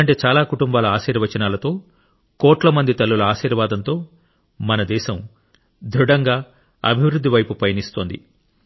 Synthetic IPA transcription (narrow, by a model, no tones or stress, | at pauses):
ɐɳʈe̞ːt͡ʃaːlaːkuʈumbaːlɐaːʃiːɾʋɐt͡ʃɐnaːlɐt̪o̞ː | kɔːʈlɐmɐnd̪it̪ɐlːulɐaːʃiːɾʋaːd̪ɐnt̪o̞ː | mɐnɐd̪ɛːʃɐm | d̪ʱɾuɽɐŋɡaː | ɐ̰bʱiʋɾud̪ːiʋɐjpupɐjɐnist̪o̞ːnd̪ḭ